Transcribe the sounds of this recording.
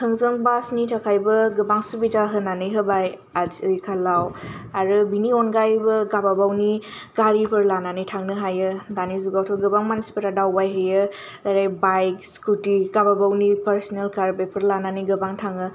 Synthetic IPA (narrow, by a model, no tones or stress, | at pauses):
kʰɯŋzəŋbasnitʰakʰajbɯɡɯbaŋsubitaɦɯnanɯjɦɯbaj | azkʰalawaɾɯbiniɔnɡajbɯɡababawniɡ̥aɾipʰɯɾlananɯjtʰaŋnɯɦajɯdanizuɡawtʰɔɡɯbaŋmanspəɾadawbajɦɯjɯ | aɾajbajkskutiɡababawnipəɾsɔnelkaɾbepʰɯɾlananiɡɯbaŋtʰaŋɯ